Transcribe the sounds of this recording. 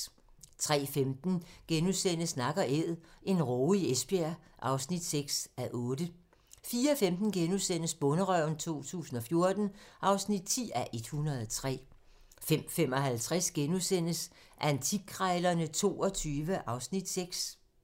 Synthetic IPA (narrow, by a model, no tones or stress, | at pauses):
t͡sʰʁɛ̰ːfemd̥n̩ɡ̥enusen̰əsnɑ̈ɡ̥ɐʔeð̰ˠe̝nʁɔːiesb̥æɐʔɑ̈ʊsnid̥seɡ̥sæʔɔ̽ːd̥ə | fiːɐfemd̥n̩ɡ̥enusen̰əsb̥ɔ̽nəʁœʊ̰n̩t͡sʰo̝̰ːt͡sʰṵːsn̩ɒ̽fjo̝ɐd̥n̩ʔɑ̈ʊsnid̥̚t͡sʰḭːæʔe̝d̥hunɐð̞ˠɒt͡sʰʁɛ̰ː | fem̰fem̰ɒ̽ɦælt͡sʰʁɛsɡ̥enusen̰əs | ʔænt͡sʰiɡʰʁɑɪlɐnət͡sʰo̝̰ːɒ̽t͡sʰyːʋəʔɑ̈ʊsnid̥seɡ̥s